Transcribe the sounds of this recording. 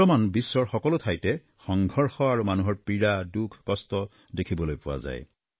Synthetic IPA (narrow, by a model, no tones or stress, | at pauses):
ɔmanbisːɔɹxɔkɔlotʰajtɛ | xɔŋɡʱɔɹxɔaɹumanuɦɔɹpɹiɹadukʰkɔstɔ | dekʰibɔlojpʊwa̰za̰j